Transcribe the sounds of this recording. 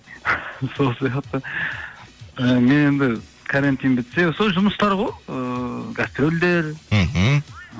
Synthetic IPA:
so̞lˠsijɑqt̪ə | əme̞ne̞nd̪ɪ | kʰaɾant̪ijnbɪt̪se̞soʒʊməst̪ɑɾʁojəɡast̪ɾold̪e̞ɾ̩ɦ̩

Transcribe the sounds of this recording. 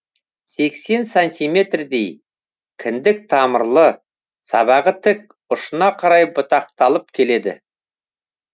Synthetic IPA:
se̞kse̞nsant̪ʲijme̞t̪rd̪e̞j | kʲʰɪnd̪ɪk̚t̪ʰɑməɾlˠə | sɑ̰βɑʁət̪ʰɪk̚ | ʊʃənɑqʰɑɾɑjbʊt̪ɑq̚t̪ɑlˠəp̚kʲʰe̞le̞d̪ɪ̰

